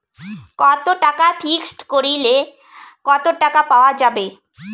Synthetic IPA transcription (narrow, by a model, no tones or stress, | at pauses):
kɔt̪oʈakafʰiksʈkoɾile | kɔt̪oʈakapaoad͡ʑabe